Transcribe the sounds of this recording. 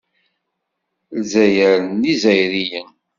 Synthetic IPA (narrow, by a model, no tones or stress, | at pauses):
lzæjəɾənizæjɾijən